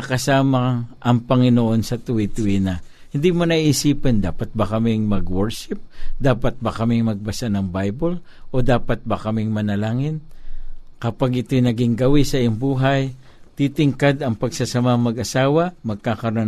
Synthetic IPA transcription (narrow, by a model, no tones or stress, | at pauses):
kɐsaːmɐŋʔɐŋpɐŋɪnoʔo̞nsɐt̪ʊit̪ʊwinɐ | hɪnd̪imɐnɐiʔːsiːpɛnd̪aːpɐt̪̚bɐkɐmɪŋmɐɡwɛɹʃɪp̚d̪aːpɐt̪̚bɐkɐmɪŋmɐɡ̚bɐsanɐŋbajbol | ʔo̞d̪aːpɐt̪̚bɐkɐmɪŋmɐnɐlaːŋɪn | kɐpaɡʔɪt̪o̞jnɐɡɪŋɡɐwisɐʔijoŋbuːɦɐj | t̪it̪ɪŋkad̪ɐŋpɐɡsasɐmaŋmɐɡʔɐsaːwɐmɐɡ̚kakɐɾo